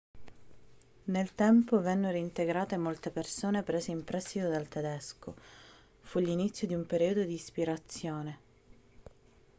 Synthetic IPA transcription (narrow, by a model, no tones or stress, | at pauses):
nelt̪ɛmpovɛnːeɾoint̪eɡɾaːt̪emolt̪epersoːnepɾeːzeimpɾɛst̪it̪od̪alt̪ed̪ɛsko̰ | fulːinit̪sːjod̪iumpeɾiːod̪od̪iːspiɾat̪sːjoːne